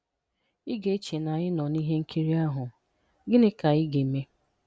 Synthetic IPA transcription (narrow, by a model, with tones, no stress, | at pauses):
ɪ˦ɡe˨˦t͡ʃe˨na˨ɲɪ˦nɔ˨ni˦ɦe˦ŋ̩˦kʰi˦ɾi˦a˦ɦʊ˨ | ɡɪ˦nɪ˦ka˨ɪ˦ɡe˨me˦